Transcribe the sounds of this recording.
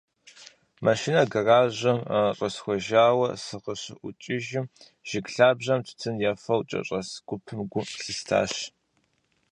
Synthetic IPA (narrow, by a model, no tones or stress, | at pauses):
maʃinɐɡɐraːʑɐmɕʼɐsxʷɔʒaːwɐsɨqəɕɪʔʷʊt͡ʃʼɪʒɪm | ʒ̥ɪkɬaːbʑɐmtʰtʰɨnjaːfɐwt͡ʃʼɐ̰ɕʼɐsɡ̥ʷʊpʰɨmɡʷʊɬɨstʰa̰ːɕ